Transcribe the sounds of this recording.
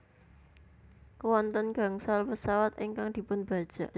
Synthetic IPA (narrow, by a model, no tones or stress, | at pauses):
kəwɔnt̪ɔnɡ̥a̤ŋsalpəsawat̪ʔeŋkaŋd̪̥i̤pʊnb̥a̤d̥ʒ̥a̤